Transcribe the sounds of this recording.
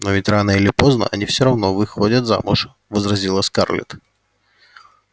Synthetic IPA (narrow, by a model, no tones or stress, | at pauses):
novʲɪtʲranəilʲɪpo̞znə̰ɐ̰nʲifsʲoɾɐvno̞vɨxodʲət̪za̰mʊ̰ʂ | vəzɾɐzʲilˠəska̰rlʲɪ̰t̪